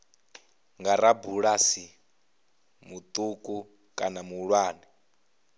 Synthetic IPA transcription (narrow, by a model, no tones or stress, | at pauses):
ŋɡaɾabuɺasi | mut̪ʼukʼu | kʼanamuɺwaːni